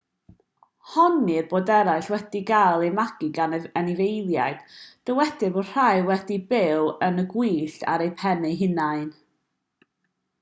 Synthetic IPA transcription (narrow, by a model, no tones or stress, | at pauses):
hɔnirboːdɛɾaɨɬwɛd̥iɡalˠejmaɡ̥ɪɡanənivejðjaɨd̥d̥əwɛd̥ɨbo̥r̥ajwɛdibɪwənəɡwiːɬa̰ɾejpʰɛneɦɪnajn